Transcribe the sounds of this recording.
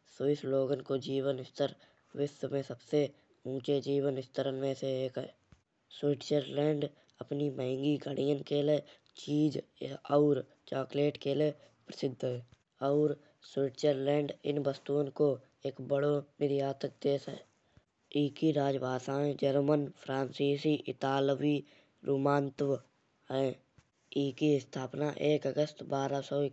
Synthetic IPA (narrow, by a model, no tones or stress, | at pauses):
soɪsloːɡənkod͡ʒiːwənɪst̪əɾ | wɪsmẽsəbse | ũːt͡ʃed͡ʒiːwənɪst̪əɾənmẽseeːkɦɛ̰ː | swɪʈt͡ʃəɾlɛ̃ːɳɖ | əpnimɛɦɛ̃ŋɡiɡʱəɽijənkele | t͡ʃiːd͡ʒɔːɾ | t͡ʃaːkleːʈkele | pɾəsɪd̪ʱːɦɛː | ɔːɾ | swɪʈt͡ʃəɾlɛ̃ːɳɖɪ̰nbəst̪uːənko | eːkbəɽonɪɾjaːt̪ək̚d̪eːsɦɛ̰ː | iːkiɾaːd͡ʒbaːsãːẽd͡ʒəɾmənpʰɾaːnsiːsiʔɪt̪aːlʋi | ɾuːmaːnt̪w | ɦɛː | iːkist̪ʰaːpnaʔeːkəɡəst̪baːɾasɔːɪ